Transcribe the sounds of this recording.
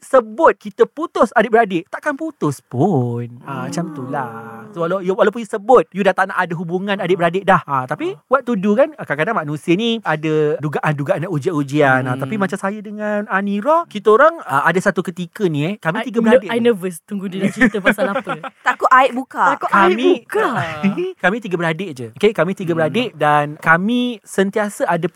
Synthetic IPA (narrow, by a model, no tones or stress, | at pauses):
səbʊt̪̚kit̪əput̪ʊsadɪʔ̚bəɾadɪʔt̪aʔkanput̪ʊspʊnəmat͡ʃamt̪ulasowalajwalawp̬ʊnjusəbʊt̪̚judaht̪aʔnaʔadəɦubuŋãnadɪʔbəɾadɪʔdahət̪apiwat̪̚ːudukankakadaŋmanũsiəniadəduɡaʔanduɡaʔanaʔud͡ʒiaʔud͡ʒianat̪apimãt͡ʃamsajadəŋananiɾɔhkit̪əoɾaŋəadasat̪ukət̪ikənĩɛkamĩt̪iɡəəɾadɪʔanəvəst̪uŋɡudilat͡ʃiəpsalapət̪akuʔaɪʔbukaakukamĩuka | kamĩt̪iɡəbəɾadɪʔd͡ʒəokekamĩt̪iɡəbəɾadɪʔdankamĩsənt̪iasəada